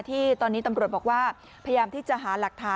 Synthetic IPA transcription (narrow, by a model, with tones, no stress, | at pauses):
t̪ʰiː˥˩t̪ɔː˧nːiː˦˥t̪a˧mɾu˨˩t̪̚bɔː˨˩k̚waː˥˩ | pʰja˧jaː˧mt̪ʰiː˥˩t͡ɕa˨˩ʔɦaː˩˦la˨˩k̚t̪ʰaː˦˥